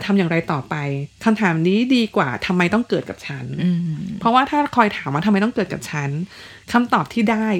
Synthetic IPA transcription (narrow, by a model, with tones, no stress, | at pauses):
t̪ʰa˧mjaː˨˩ŋɾa˧jt̪ɔː˨˩pa˧jkʰa˧mt̪ʰaː˩˦mniː˦˥diː˧kwaː˨˩t̪ʰa˧mːa˧jt̪ɔ˥˩ŋkɤː˨˩t̪̚ka˨˩p̚t͡ɕʰa˦˥n˧pʰɾɔ˦˥waː˥˩t̪ʰaː˥˩kʰɔː˧jt̪ʰaː˩˦mwaː˥˩t̪ʰaː˧jt̪ɔ˥˩ŋkɤː˨˩t̪̚ka˨˩p̚t͡ɕʰa˦˥nkʰa˧mt̪ɔː˨˩p̚t̪ʰiː˥˩daː˥˩j